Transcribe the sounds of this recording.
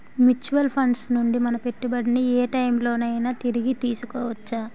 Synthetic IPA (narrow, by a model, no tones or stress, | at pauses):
mjut͡ʃuʋɐlpʰɐɳɖsnuɳɖimɐnɐpe̞ʈːibɐɽiniɛːʈɐjmlo̞ːnɐjnaːt̪iɾiɡit̪iːsukɔːʋɐt͡ʃːaː